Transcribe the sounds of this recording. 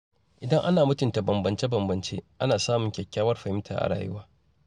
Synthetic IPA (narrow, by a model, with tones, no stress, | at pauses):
ʔɪ˨dɐ˦ŋʔa˦naː˨mʊ˦tʊ˨nta˨bɐ˨mbɐ˨nt͡ʃe˦bɐ˨mbɐ˨nt͡ʃḛː˦ʔa˦naː˨saː˦mʊ˨ŋkʲɛ˨kʲːaː˦wɐ˦rɸɐ˨ɪ˦mtʰa̰˨ʔa̰˨ɽa̰ː˨jʊ˦waː˦